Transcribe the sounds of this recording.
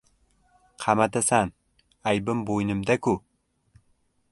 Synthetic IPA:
qʰɑmat̪asan | ajbɪmbojnɪmd̪akʊ

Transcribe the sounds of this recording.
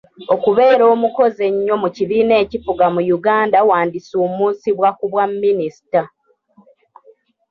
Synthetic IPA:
o̞kuβe̞ːɾo̞ːmuko̞ze̞ɲːo̞muciβiːne̞ːcifuɡamujuɡaːndawaːndisoːmuːnsiβwakuβwamːinisi̥ta

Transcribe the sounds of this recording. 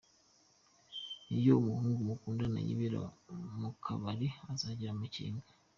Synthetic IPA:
nijoumuhuːŋɡumukuːndana̰jḭβiɾa̰mukʰa̰βaɾiazaɟiɾamucḭːŋɡa

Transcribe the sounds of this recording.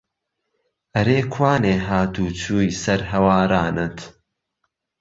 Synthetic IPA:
ʔɐɾeːkʰwaːneːɦaːt̪uːt͡suːjsɐɾɦɐwaːɾaːnɨt̪

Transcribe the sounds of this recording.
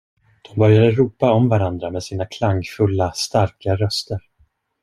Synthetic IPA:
d̪̥ɔmbœɾjad̪əɾuːpaɔmvaɾand̪ɾamɛd̪siːnakʰlaŋːfɵlːast̪aɾkaɾœst̪əɾ

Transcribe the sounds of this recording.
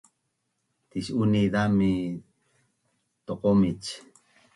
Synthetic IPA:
t̪iʃuniðami | t̪oqomit͡ʃ

